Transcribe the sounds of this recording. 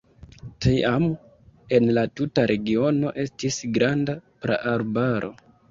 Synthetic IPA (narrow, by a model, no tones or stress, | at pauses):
tiam | e̞nlatutaɾe̞ɡio̞no̞ʔe̞stisɡɾandapɾa̰ʔaɾbaɾʔo̞̰